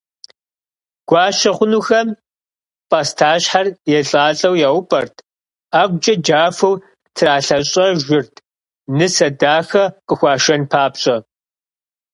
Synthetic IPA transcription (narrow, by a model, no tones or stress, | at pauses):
ɡ̥ʷɑːʃɐχʷʊnuːxɐm | pʼɐstʰaːɕħarjɛɬʼaːɬʼɐwjaʊpʼɐrtʰ | aːɡʷd͡ʒʼɐd͡ʒaːfɐw | tʰraːɬɐɕʼɐʒʷɪrtʰ | nɨsɐdaːxɐqʼəxʷɑːʃɐnpʰaːpɕʼɐ